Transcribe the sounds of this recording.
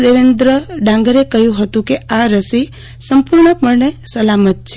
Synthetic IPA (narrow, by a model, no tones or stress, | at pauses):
d̪eʋend̪ɾəɖãŋɡəɾekəɦjũɦət̪ũkeaɾəsi | səmpuɾɳəpəɳɳesəlamət̪̚t͡ʃʰe